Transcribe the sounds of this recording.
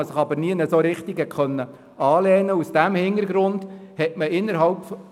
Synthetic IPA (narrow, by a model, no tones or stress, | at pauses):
əsɪχɑbəɾniːnəsoɾɪχtiɡəkʰχœnːə | ɑːlɛːnəusd̥æmhɪnəɾɡɾʊndhɛtməɪnːəɾɦɑlpf